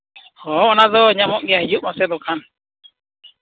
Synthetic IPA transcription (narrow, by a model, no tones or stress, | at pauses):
hɔːɔnad̪ɔɲamɔʔɡijaɦid͡ʒuʔmasɛd̪ɔkʰan